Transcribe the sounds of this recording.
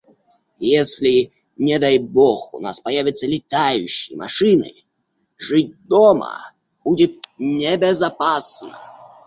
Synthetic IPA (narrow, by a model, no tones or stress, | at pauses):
jesʲlʲɪ | nʲɛd̪ajbɔxṵna̰spɐjavʲɪt̪sːəlʲɪt̪ajʊɕːɪ̰jmʔɐ̰ʂɨnɨ̰ | ʐɨt̚ʲd̪ɔmə̰ | b̥udʲɪt̪̚nʲebʲɛzapasnə